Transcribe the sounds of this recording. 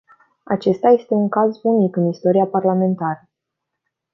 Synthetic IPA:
a̰t͡ʃe̞st̪aje̞st̪e̞uŋkazbunikɨnist̪o̞ɾiaparlame̞nt̪aɾə

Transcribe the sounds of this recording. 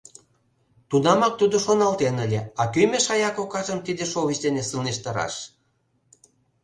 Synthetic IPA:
t̪unɑmɑk̚t̪ud̪oʃonɑlt̪enəlʲeɑkymeʃɑjɑkokɑʒəmt̪id̪eʃoβit͡ɕd̪enesɯlneʃt̪ɑɾɑ̰ʃ

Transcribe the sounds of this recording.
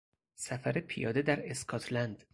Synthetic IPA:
sæfæɾepʰijɒːd̪ed̪æɾeskʰɒt̪ʰlænd̪̥

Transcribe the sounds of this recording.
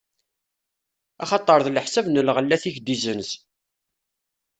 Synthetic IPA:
ɑχɑt̪ˤːəɾˤðlħsævnəlʁəlːæθiçd̪izəns

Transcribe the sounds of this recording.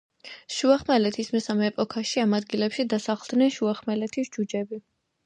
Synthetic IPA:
ʃuaχmɛlɛt̪ʰismɛsamɛːpʼɔkʰaʃiamad̪ɡilɛpʃid̪asaχlˠd̪nɛnʃuaχmɛlɛt̪ʰisd͡ʒud͡ʒɛbi

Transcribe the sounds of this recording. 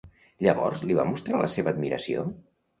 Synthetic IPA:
ʎəβɔrzliβamust̪ɾalʔəseβəːd̪miɾəsio

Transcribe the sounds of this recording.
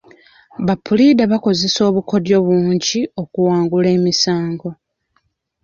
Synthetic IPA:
βapʰːulidaβako̞ze̞so̞ːβuko̞djo̞βwuːɲɟio̞kuwaːŋɡule̞ːmisaːŋɡo̞

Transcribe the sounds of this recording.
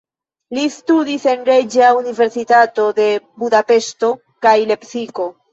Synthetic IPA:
list̪udise̞nɾed͡ʒaunive̞ɾsitat̪o̞d̪e̞budape̞st̪o̞ | kajle̞psiko̞

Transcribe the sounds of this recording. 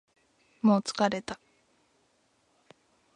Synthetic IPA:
moːt͡sɨ̥kaɾe̞t̪a

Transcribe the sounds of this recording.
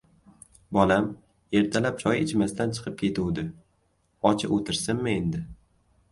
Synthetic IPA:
bɒlam | e̞ɾt̪ʰalap̚t͡ʃʰɒjɪt͡ʃmast̪ant͡ʃʰɨ̥qʰɨp̚kʲʰe̞t̪ʰuwd̪ɪ | ɒt͡ʃʰɪʔot̪ʰɪɾsɪnmɪe̞nd̪ɪ

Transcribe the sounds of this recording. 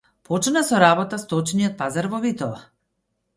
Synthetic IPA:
pʰɔt͡ʃnasɔɾabɔt̪ast̪ɔt͡ʃnijɔt̪̚pazaɾvɔvit̪ɔa

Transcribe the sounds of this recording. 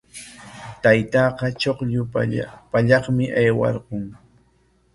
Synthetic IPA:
t̪ajt̪ɑːqɑt͡ʃoχʎʊpaʎɑχmɪʔajwɑ̰ɾqʊŋ

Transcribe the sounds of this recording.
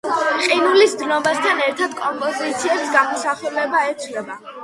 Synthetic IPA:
qʼinulisd̪nɔbast̪ʰanɛɾt̪ʰad̪kʼɔmpʼɔzit̪sʰiɛbsɡamusaχɛlɛbaɛt̪sʰwlɛba

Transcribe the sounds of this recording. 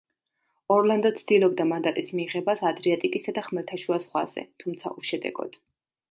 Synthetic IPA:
ɔɾland̪ɔt̪sʰd̪ilˠɔb̚d̪amand̪at̪ʼismiːʁɛbasad̪ɾiat̪ʼikʼisad̪aχmɛlt̪ʰaʃuazʁwa̰z̥ɛ̰t̪ʰumt̪sʰa̰ʔuʃɛd̪ɛ̰ɡɔ̰d̪̥

